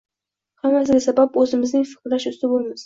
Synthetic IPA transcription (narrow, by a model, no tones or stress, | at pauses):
hamas̬ɪɡʲasabapɵzɪmɪznɪŋfɪ̥qlaʃʊst̪ɪbolˠmɪz̥